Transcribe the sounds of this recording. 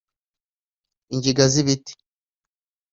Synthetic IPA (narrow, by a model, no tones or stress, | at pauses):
iɲɟiɡaziβiti̥